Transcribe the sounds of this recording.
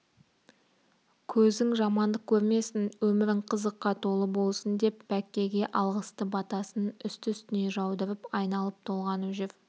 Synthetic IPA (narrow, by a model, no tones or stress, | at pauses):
kʲʰɵzd̪ɪŋʒɑmɑnd̪əq̚kʲʰɵɾme̞sɪnwɵmɪɾɪɴqʰəzəqːɑt̪ʰo̞lˠəbo̞lˠsənd̪e̞pːækʲːe̞ɡʲe̞ʔɑlˠʁəst̪əbɑt̪ɑsənʏst̪ʏst̪ɪne̞ʒɑwd̪əɾɪpɑjnɑlˠəp̚t̪ʰo̞lˠʁɑnuʒɪv